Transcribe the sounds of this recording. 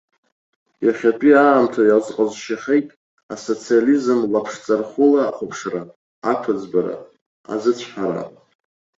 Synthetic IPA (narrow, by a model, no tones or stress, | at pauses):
jaχʲapʼiaːmtʰajalzqʼazʃaχʲejtʼ | aso̞t͡sʰializɨmlapʰʂt͡sʼarχʊlaːχʷʊpʰʂra | akʷʰad͡zbaɾa̰ | a̰zɨt͡ɕʷʰħaɾa̰pʼ